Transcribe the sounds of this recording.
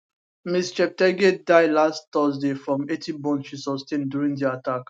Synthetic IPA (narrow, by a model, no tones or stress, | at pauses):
mist͡ʃɛp̚tɛɡedaɪlast̪ɔs̬defɹɔ̃metʰibɔ̃nt͡ʃusɔstẽndjuɹĩŋdiatak